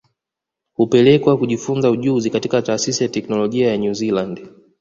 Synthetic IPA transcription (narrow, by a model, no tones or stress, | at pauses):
hupɛlɛkwakuʄifunzauʄuzikatikataːsisijatɛknɔlɔʄiajaɲuziland